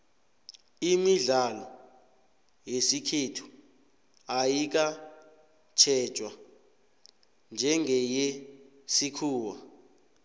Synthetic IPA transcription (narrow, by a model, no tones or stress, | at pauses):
imiɮalɔ | jesikʰetʰu̥ | ajik̬a | t͡ʃʰɛt͡ʃʼwa | nd͡ʒʱɛŋʱɛje | sikʰuːwa